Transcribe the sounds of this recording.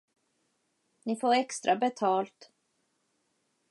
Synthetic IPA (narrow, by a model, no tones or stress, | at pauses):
nɪfoːɾɛkst̪ɾʔabɛt̪ʰɑːlt̪